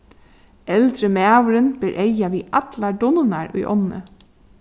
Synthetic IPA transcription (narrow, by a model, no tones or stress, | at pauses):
ɛld̪ɾəmæːwɾənb̥ɪɾʔejaʋiːʔɑt̪laɖʊnənaɹʊ̰jʔɔ̰nːə̰